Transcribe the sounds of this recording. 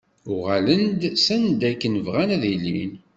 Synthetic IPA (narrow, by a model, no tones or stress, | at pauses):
ʊʁælənd̪sənd̪ækːənəvʁænæðilːḭn